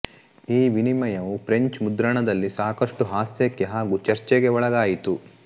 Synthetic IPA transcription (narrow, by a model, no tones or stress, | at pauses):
iːʋinimɐjɐʋufɾeɲt͡ʃmud̪ɾɐɳɐd̪ɐlːisaːkɐʂʈuɦaːsjɐkːeɦaːɡuːt͡ʃɐɾt͡ʃɛɡe̞ɔɭɐɡaːjit̪u